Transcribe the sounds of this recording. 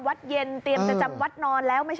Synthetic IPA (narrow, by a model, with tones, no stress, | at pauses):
mwa˦˥t̪̚je˧nt̪i˨˧əmpa˧˩t͡ɕa˧mwa˦˥t̪̚nɔː˧nlɛː˦˥wma˥˩t͡ɕ